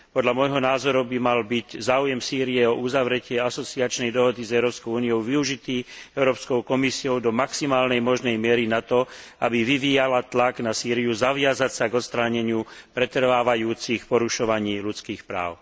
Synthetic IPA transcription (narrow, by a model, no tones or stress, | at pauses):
pɔd̪ʎamɔjɦɔnaːzɔɾubimalbiczaːujɛmsiːɾiɛɔuzaʋɾɛcɪɛasɔt͡siat͡ʃnɛjd̪ɔɦɔd̪izɛʊɾɔːpskɔʊuːniɔʊʋiuʒit̪iːɛʊɾɔːpskɔʊkɔmisiɔʊd̪ɔmaksimaːlnɛjmɔʒnɛjmɪɛɾinat̪ɔabiʋiʋiːjalat̪laɡnasiːɾijuzaʋɪazacsaɡɔt̪st̪ɾaːɲɛɲɪupɾɛt̪r̩ʋaːʋajuːt͡sixpɔɾuʃɔʋaɲiːlut͡skiːxpɾa̰ːʊ